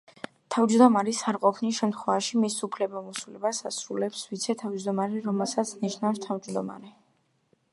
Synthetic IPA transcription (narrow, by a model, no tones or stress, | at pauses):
t̪ʰavd͡ʒd̪ɔmaɾisaɾqʼɔpʰniʃɛmt̪ʰχwɛvaʃimisupʰlɛbamɔsulɛbasasɾulɛpsvit̪sʰɛt̪ʰavd͡ʒd̪ɔmaɾɛɾɔmɛlˠsat̪sʰniʃnafst̪ʰavd͡ʒd̪ɔma̰ɾɛ